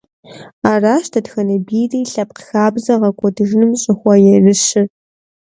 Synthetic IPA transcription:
aːraːʃtʰɐdxɐnɐbiːriːɬɐp̚qxaːbzɐʁɐkʷʰʼɔdɨʒnɨmɕʼɪxʷɔjɛrɨɕɪ

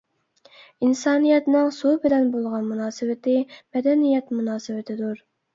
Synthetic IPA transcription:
insɑːnijɛt̪nɪŋsubɪlɛnbolˠʁɑnmunɑːsɨwɪt̪ɪmɛd̪ɛnijɛt̪munɑːsɨwɪt̪ʰɪd̪uɾ

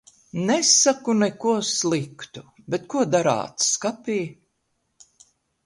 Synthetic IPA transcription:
nɛsakunɛkuɔslˠikt̪u | bet̪̚kuɔd̪aɾa̰ːt̪sskapʲiː

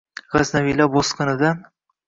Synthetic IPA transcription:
ʁaznavilaboskɨnɪd̪a

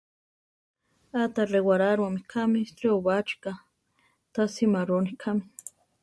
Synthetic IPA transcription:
at̪arewaɾaɾwamikʰamislioβat͡ʃi̥ka | t̪asimaɾonikʰami

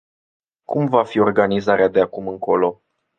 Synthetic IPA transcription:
kumvafio̞rɡanizaɾead̪e̞akumɨŋko̞lo̞

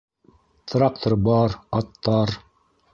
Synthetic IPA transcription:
t̪rɑk̚t̪əɾbɑɾɑt̪ːɑɾ

